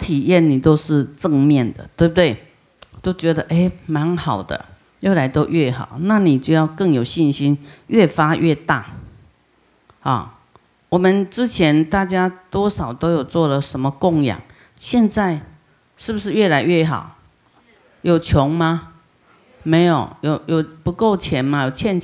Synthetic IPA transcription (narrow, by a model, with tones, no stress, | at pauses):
t̪ʰi˨˩jɛ˥˨nni˨˩t̪o˥ʊʂɻ̩˥˧ʈ͡ʂə˥˧ŋmjɛ˥˨nd̪ə̰˨t̪we˥˩bu˨t̪we˥˩ɪ | t̪o˥ʊt͡ɕɥɛ˧˦d̪ə˧ʔe˥ɪma˧˦nxɑ˨˩ʊd̪ə̰˦ | jo˥˩la˧˥ɪt̪o˥ʊʔɥɛ˥˩xɑ̰˨˩ʊna˥˨ni˨˩t͡ɕjo˥˧ʊjɑ˥˧ʊkə˥˩ŋjo˨˩ʊɕi˥˨nɕi˦˥nɥɛ˥˩fa˦ʔɥʔɛ˥˧t̪a˥˧ | hɔ̰˨ | wɔ˨˩mə˨nʈ͡ʂɻ̩˦t͡ɕʰjɛ˨˧˦nt̪a˥˨t͡ɕja˦t̪wɔ˦ʂɑ˨˩ʊt̪o˥ʊjo˨˩ʊt͡swɔ˥˩lə˨ʂə˧˦nmə˨kʊ˥˨ŋja̰˨˩˦ŋ | ɕjɛ˥˧nt͡sa˥˧ɪ | ʂɻ̩˥˩bu˩ʂ̬ɻ̩˥˧ɥɛ˥˩la˧˦ɪɥɛ˥˩xɑ̰˨˩˦ʊ | jo˨˩ʊt͡ɕʰjɔ˨˧˥ŋma˧ | me˧˥ɪjo˨˩ʊjo˨˩ʊjo˨˩ʊpu˧˦ko˥˨ʊt͡ɕʰjɛ˨˦nma˧jo˨˩ʊt͡ɕʰjɛ˥˧n